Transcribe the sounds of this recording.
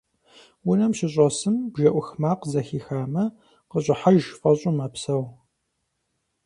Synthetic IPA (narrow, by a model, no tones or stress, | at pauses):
wʊnɐmɕɪɕʼɔsɨmbʒɐʔʷʊxmaːqzɐxiːxaːmɐ | qəɕʼɪħaʒfʼɐɕʼʊmɐpsɐw